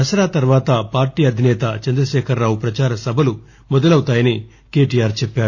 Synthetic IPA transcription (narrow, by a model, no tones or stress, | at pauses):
ɐsɐɾaːt̪ɐɾʋaːt̪ɐpaːɾʈiːɐd̪ʱinɛːt̪ɐt͡ʃɐnd̪ɾɐʃɛːkʰɐɾːaːwupɾɐt͡ʃaːɾɐsɐbʱɐlu | mɔd̪ɐlɐwt̪aːjɐni | ke̞ːʈijaːɾt͡ʃepːaːɾu